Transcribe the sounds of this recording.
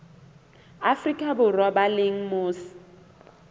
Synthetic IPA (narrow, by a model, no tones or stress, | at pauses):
afrikʼabʊrwabaleŋ̩mʊːsɪ̥